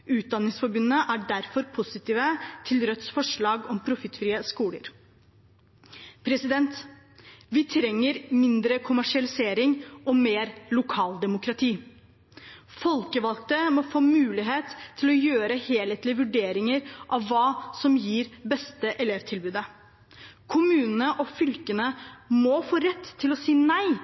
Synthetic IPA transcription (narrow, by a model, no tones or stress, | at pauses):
ʉːt̪̚d̪ɑnːɪŋsfɔɾbʉnːəʔæɖæɾfɔɾpʰʊsɪt̪ʰiːʋət̪ʰɪlɾœt̪sfɔʂɭɑːɡɔmpʰɾʊfɪt̪ːfɾiːəskuːlə̰ɾ | pʰɾɛsɪd̪ɛnt̪ | ʋɪt̪ʰɾɛŋːəɾmɪnd̪ɾəkʰʊmæʂɪɑlɪseːɾɪŋʔɔmeːɾlʊkʰɑːld̪ɛmʊkɾɑt̪ʰiː | fɔlkəʋɑlk̚t̪əmɔfoːmʉːlɪɦeːt̪ʰːɪlɔjøːɾəheːleːt̪lɪəʋʉɖeːɾɪŋəɾʔɑʋːɑːsɔmjiːɾbɛst̪əʔɛleːʋt̪ʰɪlbʉːd̪ə | kʰʊmʉːnənəʔɔfʏlkənəmɔfoːɾɛt̪ʰːɪlɔsiːnæɪ